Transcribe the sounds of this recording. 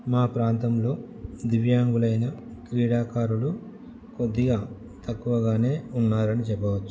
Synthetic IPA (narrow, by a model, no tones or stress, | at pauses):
maːpɾaːnt̪ɐmlo̞ː | d̪iʋjaːŋɡulɐjnɐ | kɾiːɽaːkaːɾulu | ko̞d̪ːiɡaː | t̪ɐkːuʋɐɡaːne̞ːunːaːɾɐnit͡ʃɛpːɐʋɐt͡ʃːu̥